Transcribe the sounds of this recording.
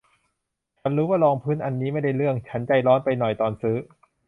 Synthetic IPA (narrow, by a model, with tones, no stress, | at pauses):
t͡ɕʰa˦˥nɾuː˦˥waː˥˩lɔː˧ŋpʰɯː˥˩˨nʔa˧nːiː˦˥ma˥˩jda˥˩jlɯ˥˩əŋt͡ɕʰa˦˥nt͡ɕa˧jlɔː˦˥npa˧jnɔ˨˩jt̪ɔː˧nsɯː˦˥